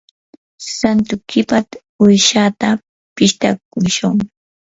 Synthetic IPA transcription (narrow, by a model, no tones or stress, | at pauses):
sant̪ʊkɪpat̪ | ʊjʃat̪a | pɪʃt̪ak̚ʊʃʊŋ